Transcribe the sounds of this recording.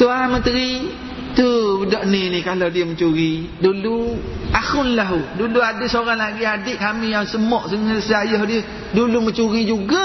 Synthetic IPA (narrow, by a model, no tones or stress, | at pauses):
t̪uamənt̪əɾi | t̪udɔʔninikaladiəmət͡ʃuɾi | duluaxʊnlaɦuduluadɪʔsoɾaŋlaɡiadɪʔ̚kamijaŋsəmɔʔsəŋəsajɔhdiə | dulumət͡ʃuɾid͡ʒuɡa